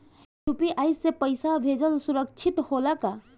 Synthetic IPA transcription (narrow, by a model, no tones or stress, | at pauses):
ʈupiʔaːjsːepəɪsabʱeːd͡ʒəlsuɾəkt͡ʃʰit̪hoːlaka